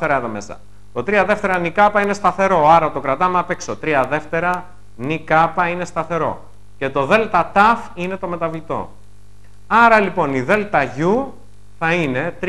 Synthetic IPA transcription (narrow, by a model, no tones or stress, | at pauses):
eɾɐeðomesɐ̰ | t̪o̞t̪ɾiɐðeft̪e̞ɾɐnikɐpɐine̞st̪ɐθe̞ɾo̞ɐɾɐt̪o̞kɾɐt̪ɐmɐpeksot̪ɾiɐðe̞ft̪e̞ɾɐ | nikɐpɐine̞st̪ɐθe̞ɾo̞̰ | ce̞t̪o̞ðe̞lt̪ɐt̪ɐfine̞t̪o̞me̞t̪ɐvlit̪o̞̰ | ɐɾɐlipo̞niðe̞lt̪ɐʝu | θɐine̞t̪